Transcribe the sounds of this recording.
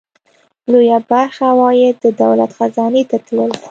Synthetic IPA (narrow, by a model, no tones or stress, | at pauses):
lojabaɾxawɑjed̪əd̪awla̰t̪xazɑnet̪at̪ləl